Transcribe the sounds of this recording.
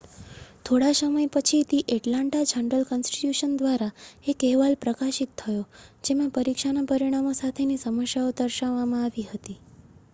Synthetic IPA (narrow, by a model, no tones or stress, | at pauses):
t̪ʰoɽasəməjpət͡ʃʰit̪iʔɛʈlãɳʈad͡ʒəɳɖəlkənsʈi̥tjuʃənd̪ʋaɾaekɛɦʋalpɾəkaʃit̪ʰːəjod͡ʒemãpəɾikʃanapəɾiɽ̃amosat̪ʰenisəməʃjaod̪əɾʃaʋːamãaʋiɦət̪i